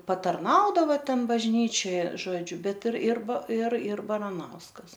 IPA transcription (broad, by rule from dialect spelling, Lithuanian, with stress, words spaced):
pɐtɐrˈnɐʊdɐʋɐ ˈtʲɛn bɐʒʲˈnʲiːt͡ʃʲoːj ˈʒoːd͡ʒʲʊ ˈbʲɛt ɪr ɪr ɪr ɪr bɐrɐˈnɐʊskɐs